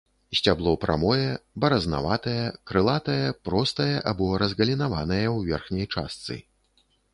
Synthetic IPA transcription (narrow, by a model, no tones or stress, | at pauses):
sʲt͡sʲablˠɔpɾʔa̰mɔjɛbɐɾɐzna̰vat̪ɐjɐkɾɨlˠat̪ɐjɐpɾɔst̪ɐjɐʔabɔɾɐzɣɐlʲinavanɐjɐwvʲɛrxnʲɐjt͡ʂa̰st̪sɨ̰